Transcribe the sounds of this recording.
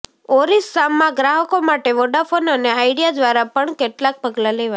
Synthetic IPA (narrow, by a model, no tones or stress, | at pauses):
oɾisːamːãɡɾaɦəkomaʈeʋoɖafonəneajɽijad̪ʋaɾapəɳkeʈlãk̚pəɡlaleʋa